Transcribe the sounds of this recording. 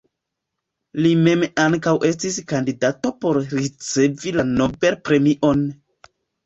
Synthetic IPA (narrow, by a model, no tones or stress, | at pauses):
lime̞maŋkawʔe̞stiskandidato̞po̞ɾɾit͡se̞vilanobe̞lpɾe̞miʔo̞n